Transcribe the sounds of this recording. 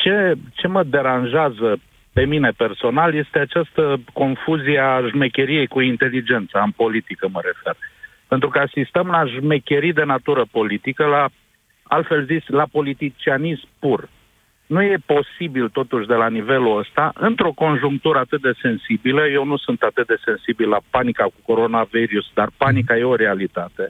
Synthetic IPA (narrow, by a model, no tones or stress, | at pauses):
t͡ʃe̞t͡ʃe̞məd̪e̞ɾanʒeazə | pe̞mine̞pe̞rso̞nalje̞st̪e̞at͡ʃast̪əko̞nfuzieaʒme̞kʲe̞ɾije̞jkuint̪e̞lid͡ʒe̞nt̪səɨmpo̞lit̪ikəməɾe̞fe̞r | pe̞nt̪ɾukəasist̪əmlaʒme̞kʲe̞ɾid̪e̞nat̪uɾəpo̞lit̪ikəla | a̰lt̪fe̞lzisʲlapo̞lit̪it͡ʃianizmpur | nuje̞po̞sibilt̪o̞t̪uʃʲd̪e̞lanive̞luəst̪aʔɨnt̪ɾo̞ko̞nʒuŋk̚t̪uɾəat̪ɨt̪̚d̪e̞se̞nsibiləje̞wnusunt̪at̪ɨt̪̚d̪e̞se̞nsibilːapanikakuko̞ɾo̞naveɾiusd̪arpanikaje̞o̞ɾe̞alit̪at̪e̞